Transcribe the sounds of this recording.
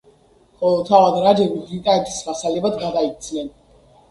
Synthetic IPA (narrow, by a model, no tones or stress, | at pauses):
χɔlɔt̪ʰavad̪ɾad͡ʒɛbidlit̪ʼaɛt̪ʰi̥smasalɛbad̪ɡad̪ait̪sʰnɛn